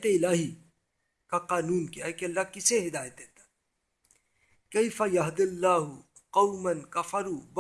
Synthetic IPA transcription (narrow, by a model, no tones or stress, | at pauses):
t̪eɪlaːɦi | kaqaːnuːnkijaɦekeɐlːaːkɪseɦɪd̪aːjət̪eːt̪ḁ | kɐjfɐjɐɦd̪ɪlːaːɦʊ | qɐwmɐnkɐfɐɾuːb